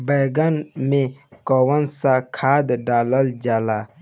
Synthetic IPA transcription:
bəjɡənmẽkowənsakʰaːd̪ɖaːləld͡ʒaːlaː

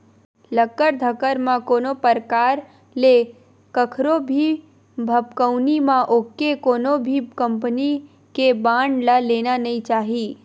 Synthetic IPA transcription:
ləkːəɾd̪ʱəkəɾmãkoːnopəɾkaːɾ | le | kəkʰɾobʱi | bʱəpkəʊnimãʔoːkekoːnobʱikə̃mpəni | kebãːɳɖlaleːnanəĩt͡ʃaːɦiː

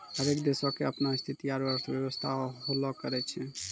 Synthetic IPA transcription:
həɾekd̪esɔkeəpnaist̪ʰit̪iaɾbəɾsʰbjewəst̪ʰaɦolɔkəɾɛt͡ʃʰɛ

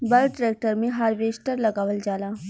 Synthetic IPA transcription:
bɐlʈɾeːk̚ʈəɾmẽɦaːɾʋeːsʈəɾlɐɡaːʋəld͡ʒaːlaː

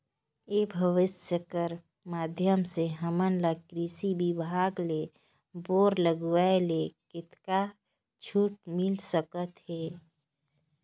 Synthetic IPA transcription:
ebʱəʋɪsəkəɾ | maːd̪ʱjəmseɦəmənlakɾisibibʱaːɡle | boːɾləɡʋaelekɪt̪ka | t͡ʃʰuːʈ̚mɪlsəkət̪ɦɛː

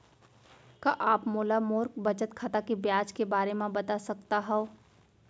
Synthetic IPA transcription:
kaʔaːpmoːlamoːɾk̚bɐt͡ʃət̪kʰat̪akebjaːd͡ʒkebaːɾemãbɐt̪asɐkt̪aɦɛõ

